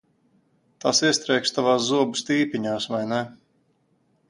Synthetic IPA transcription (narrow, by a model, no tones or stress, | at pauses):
t̪asiɛst̪ɾɛjkst̪avaːszuɔbust̪iːpʲiɲaːsvajnɛ